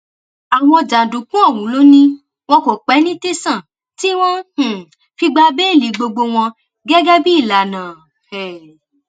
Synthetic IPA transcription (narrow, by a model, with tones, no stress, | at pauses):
a˨w̃ɔ̃˧˨d͡ʒã˨dũ˨kũ˦ɔ˦˨wũ˨˦lo˦nĩ˦ | w̃ɔ̃˧ko˨k͡pɛ˨˦nĩ˦te˦sã˦˨ | ti˦w̃ɔ̃˦h̩˨ | fi˧ɡ͡ba˧be˦e˦˨li˨˦ɡ͡bo˧ɡ͡bo˧w̃ɔ̃˧ | ɡɛ˦ɡɛ˦bi˦i˦˨la˨nãː˨ | ɛ˨